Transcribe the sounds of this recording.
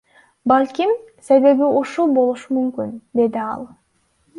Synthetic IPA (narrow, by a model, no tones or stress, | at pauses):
balʲkim | se̞βe̞βiuʃulˠbo̞lˠuʃumymkynd̪e̞d̪iɑ̰lˠ